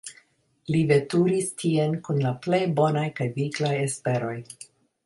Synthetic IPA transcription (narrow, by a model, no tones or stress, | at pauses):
live̞tuɾistʰienkunlaple̞jbo̞najkajviɡlajespe̞ɾo̞j